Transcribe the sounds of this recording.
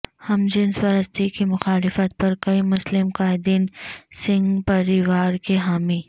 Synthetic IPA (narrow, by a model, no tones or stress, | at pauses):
hɐmd͡ʒɪnspɐɾəst̪ikimʊxaːlɪfət̪̚pɐɾkɐimʊslɪmkaːɪd̪iːnsɪ̃ŋɡpɐɾiʋaːɾkeɦaːmiː